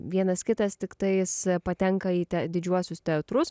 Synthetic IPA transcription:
ʋʲiɛnɐskʲɪt̪ɐst̪ʲɪkt̪ɐɪspɐt̪ʲɛŋkɐiːt̪ʲɛd̪ʲɪd͡ʒʲuɔsʲʊst̪ʲɛɐt̪ɾʊs

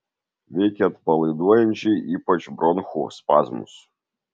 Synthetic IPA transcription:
vʲekʲɛt̪pɐlˠɨd̪ɔjɛmʲt͡ʃiipɐt͡ʃbɾɔnxṵspa̰zmṵs

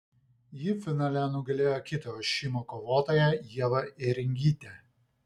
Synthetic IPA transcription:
jɪfʲɪnɑːlʲɛnʊɡɐlʲeːjoːkʲɪt̪ojoʃʲiːmoːkɔʋoːt̪oːjɛjiɛʋɐɪɾʲɪŋʲɡʲiːt̪ʲɛ

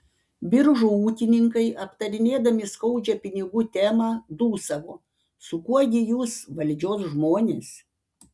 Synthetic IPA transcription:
bʲɪɾʒuːuːkʲɪnʲɪŋkɐɪʔɐpt̪ɐɾʲɪnʲeːd̪ɐmʲɪskɐʊd͡ʒʲɛpʲɪnʲɪɡuːt̪ʲæːmɑːd̪uːsɐʋoː | sʊkuɔɡʲɪjuːsʋɐlʲd͡ʒʲoːsʒmoːnʲeːs

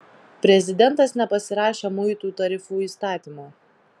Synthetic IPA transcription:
pʲɾʲɛzʲɪd̪ʲɛnt̪ɐsnʲɛpɐsʲɪɾɑːʃʲeːmʊɪt̪uːt̪ɐɾʲɪfuːiːst̪ɑːt̪ʲiːmoː

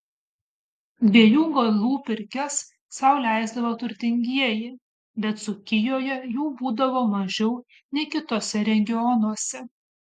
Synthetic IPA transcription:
d̪ʲʋʲiɛjuːɡɐlˠuːpʲɪɾʲkʲɛsː | ɐʊlʲæˑɪzd̪ɐʋot̪ʊɾʲt̪ʲɪŋʲɡʲiɛjɪ | bʲɛt̪sʊkʲɪjoːjɛjuːbuːd̪ɐʋoːmɐʒʲɛʊ | nʲɛɪkʲɪt̪oːsʲɛɾʲɛŋʲɡʲɪɔnuɔsʲɛ

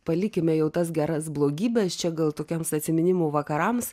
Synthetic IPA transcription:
pɐlʲɪkʲɪmʲɛjɛʊt̪ɐs̬ɡʲæɾɐsblˠoːɡʲiːbʲɛst͡ʃʲɛɡɐlˠt̪oːkʲɛmsɐt̪ʲsʲɪmʲɪnʲɪmoːʋɐkɐɾɐms

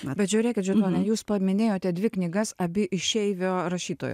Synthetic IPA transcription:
bʲɛt̪ʒʲʊɾʲeːkʲɪt̪ʒʲʊnoːnʲɛjuːspɐmʲɪnʲeːjoːt̪ʲɛd̪ʲʋʲɪknʲɪɡɐsɐbʲɪʔɪʃʲɛɪʋʲoːɾɐʃʲiːt̪o̰ːjo̰

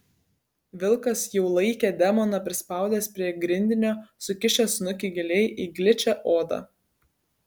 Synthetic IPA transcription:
ʋʲɪlˠkɐsjɛʊlˠɐɪkʲeːd̪ʲɛmɔnɐpʲɾʲɪspɑˑʊd̪ʲeːspʲɾʲiɛɡɾʲɪnʲd̪ʲɪnʲoːsʊkʲɪʃʲɛsnʊkʲɪɡʲɪlʲɛɪʔiːɡlʲɪt͡ʃʲæʔoːd̪ɑ̰ː

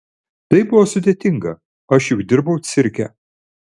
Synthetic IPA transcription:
t̪ɐɪbʊʋoːsʊd̪ʲeːt̪ʲɪŋɡɐ | ɐʃjʊkd̪ʲɪɾbɐʊt̪sʲɪɾʲkʲɛ̰

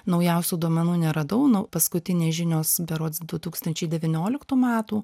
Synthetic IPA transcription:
nɒʊjɛʊsʲuːd̪uɔmʲɛnuːnʲɛɾɐd̪ɐʊnɐpɐskʊt̪ʲɪnʲeːʒʲɪnʲoːsbʲɛɾoːsd̪ʊt̪uːkst̪ɐnʲt͡ʃʲɛɪd̪ʲɛʋʲɪnʲoːlʲɪkt̪uːmʲæːt̪uː

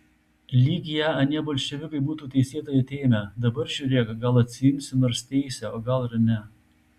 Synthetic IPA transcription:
lʲiːɡʲɪjæɐnʲiɛbɐlʲʃʲɛʋʲɪkɐɪbuːt̪uːt̪ʲɛɪsʲiɛt̪oːjɛt̪ʲeːmʲɛd̪ɐbɐɾʒʲʊːɾʲeːkɐɡɐlˠɐt̪ʲsʲɪjʊmʲsʲɪnɐɾst̪ʲɛɪsʲɛoːɡɐlˠɾɐnʲɛ

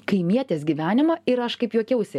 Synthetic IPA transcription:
kɐɪmʲiɛt̪ʲeːsɡʲiʋʲæːnʲɪmɐɪɾɐʃkɐɪpjuɔkʲɛʊsʲɪ

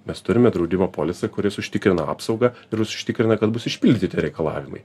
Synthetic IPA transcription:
mʲɛst̪ʊɾʲɪmʲɛd̪ɾɒʊd̪ʲɪmɐpoːlʲɛsʲɛkʊɾʲɪsʊʃʲt̪ʲɪkɾʲɪnɐɑ̰ːpsɒʊɡɐɪɾʊsʊ̥ʃʲt̪ʲɪkɾʲɪnɐkɐt̪̚bʊsɪʃʲpʲɪlʲd̪ʲɪt̪ʲɪɾʲɛɪkɐlˠɑ̰ːʋʲɪmɐ̰ɪ

